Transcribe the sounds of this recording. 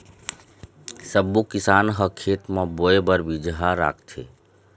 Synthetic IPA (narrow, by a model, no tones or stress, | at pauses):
səbːukisanɦəkʰːet̪meboebəɾbid͡ʒɦaɾa̰kʰt̪ʰḛ